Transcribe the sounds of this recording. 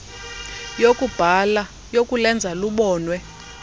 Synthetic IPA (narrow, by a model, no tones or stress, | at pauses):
jokʼub̥ʱala | jokʼulɛnd͡zʱaluɓɔːnwɛ